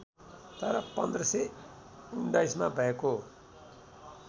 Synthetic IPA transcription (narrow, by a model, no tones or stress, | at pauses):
t̪ʌɾʌpʌnd̪rʌse | unɖaismabʱʌeko